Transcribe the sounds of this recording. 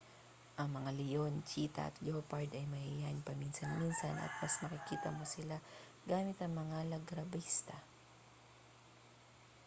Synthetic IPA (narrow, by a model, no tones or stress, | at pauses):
ʔɐŋmɐŋalɪjo̞nt͡ʃiːt̪ɐ̰ɐ̰t̪jopɐɹd̪ɐjmɐhɪjanpɐminsɐnminsɐnʔɐ̰t̪̚mɐsmɐkɪkiːt̪ɐmo̞sɪla | ɡaːmɪt̪ɐŋmɐŋalɐɡɾɐbist̪ɐ